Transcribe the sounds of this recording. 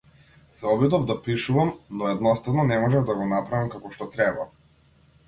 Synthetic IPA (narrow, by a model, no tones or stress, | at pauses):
sɛɔbid̪ɔvd̪apiʃuvamnɔɛd̪nɔst̪avnɔnɛmɔʒɛvd̪aɡɔnapɾavimkakɔʃt̪ɔt̪ɾɛba